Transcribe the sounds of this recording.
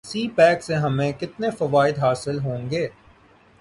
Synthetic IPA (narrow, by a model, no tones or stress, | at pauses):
siːpɛːkseɦɐmẽkɪt̪nefɐʋaːɪd̪ɦaːsɪlɦõːŋɡeː